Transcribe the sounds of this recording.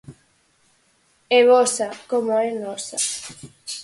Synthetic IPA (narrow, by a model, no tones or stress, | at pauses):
ɛβɔsakomoɛnɔsa